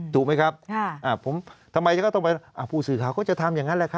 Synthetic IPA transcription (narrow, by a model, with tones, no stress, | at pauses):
t̪uː˨˩ma˦˥˩jkʰa˦˥p̚kʰːʔaː˧˩pʰo˩˦mt̪ʰa˧mːa˧jkʰa˥˩t̪ɔ˥˩pa˧ɾa˥˩ʔaː˧˩pʰuː˥˩sɯː˨˩kʰaː˨˦wkʰaː˥˩t͡ɕa˨˩t̪ʰa˧mjaː˨˩ŋa˦˥nlɛ˧˩kʰa˦˥